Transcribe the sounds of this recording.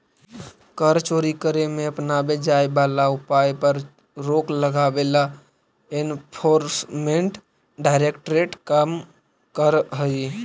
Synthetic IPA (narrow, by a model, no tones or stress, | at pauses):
kəɾt͡ʃoɾikəɾemẽəpnabed͡ʒajbalaupajpəɾ | ɾokləɡabela | enpʰoɾsmẽɳʈ | ɖaɪɾekʈɾeʈkəm | kəɾɦəi